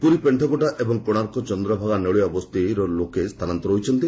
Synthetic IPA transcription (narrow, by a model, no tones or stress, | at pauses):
puɾipeɳʈʰɔkɔʈaʔebɔŋkoɽ̃aɾkɔt͡ʃɔnd̪ɾɔbʱaɡaneɭuabɔst̪iɾɔlokest̪ʰanant̪ɔɾoɦjt͡ʃʰɔnt̪i